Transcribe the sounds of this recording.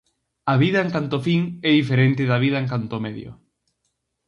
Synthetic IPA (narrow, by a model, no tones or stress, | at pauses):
ɐβiðɐeŋkant̪ofiŋɛðifeɾent̪ɪðɐβ̞iðɐeŋkant̪omeðjo̰